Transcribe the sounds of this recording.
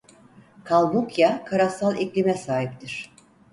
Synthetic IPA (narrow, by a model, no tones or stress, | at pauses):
kʰalˠmukjakʰaɾasalˠɛclʲimɛsaːɦip̚t̪ʰiɾ̥